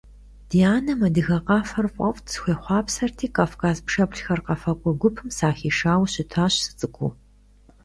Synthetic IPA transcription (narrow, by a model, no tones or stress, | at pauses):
d̥iaːnɐmɐdɨɣɐqɑːfɐrfʷʼɔftsxʷeːχʷɑːpsɐrtʰiːkʼaːfkʰaːzpʂɐpɬxɐrqɐfɐkʷʼɔɡʷʊpʰɨmsaːxiːʂaːwɕɪtʰaːɕsɨ̥t͡sʼɨkʷʰṵː